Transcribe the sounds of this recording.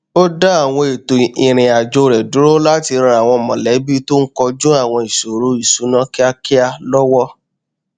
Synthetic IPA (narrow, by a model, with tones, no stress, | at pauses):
o˦da˦a˦˨w̃ɔ̃˧e˨to˨i˨ɾ̃ĩ˨a˨d͡ʒo˧ɾɛ˨du˨˦ɾo˦la˦ti˧ɾã˧a˨w̃ɔ̃˧mɔ̃˨lɛ˨˦bi˦to˦ŋ̩˦kɔ˧d͡ʒũ˦a˦˨w̃ɔ̃˧i˨so˨ɾo˨˦i˦˨su˨˦nã˦ki˦a˦ki˦a˧lɔ˦wɔ˦